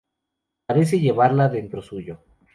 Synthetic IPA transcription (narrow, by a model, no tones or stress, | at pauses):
paɾe̞s̬e̞ʝe̞βaɾlaðe̞nt̪ɾosuʝo